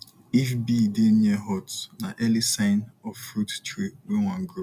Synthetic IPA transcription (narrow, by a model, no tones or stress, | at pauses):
ifbidenɛɦɔtnaʔɛlisãɪnɔffɾuttɾiwẽŋãŋɡɾo